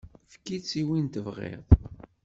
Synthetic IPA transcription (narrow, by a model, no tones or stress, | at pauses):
fkit͡sːiwint̪əvʁḛðˤ